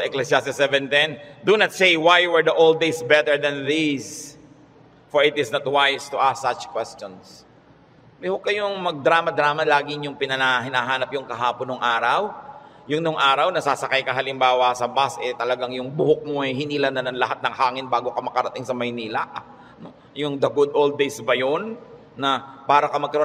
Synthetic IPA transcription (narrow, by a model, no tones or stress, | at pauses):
sɐʔɛklɛsjast̪ɪsɛvɛnt̪ɛnd̪unɐt̪sejwajwɛɹd̪ɐʔold̪̚d̪ejsbɛt̪ɛɹd̪ɐnðis | foɹɪt̪ɪsnɐt̪wajst̪ʊʔasːat͡ʃkwɛst͡ʃons | ɛhʊkɐjoŋmɐɡ̚d̪ɾaːmɐd̪ɾaːmɐlaːɡɪɲʊŋpɪnɐnaɦɪnaɦaːnɐpjʊŋkɐɦaːponoŋʔaːɾɐwjʊŋnʊŋʔaːɾɐwnɐsasɐkajkɐɦɐlɪmbaːwɐsɐbasʔɛt̪ɐlɐɡaŋjʊŋbʊhok̚moʔɐjɦɪniːlɐnːɐnɐŋlɐɦat̪̚nɐŋhaːŋɪnbaːɡo̞kɐmɐkɐɾɐt̪ɪŋsɐmɐjniːlɐʔ | no | jʊŋd̪ɐɡʊd̪ʔold̪̚ːejsbɐjonː | ɐpaːɾɐkɐmɐɡkɐɾo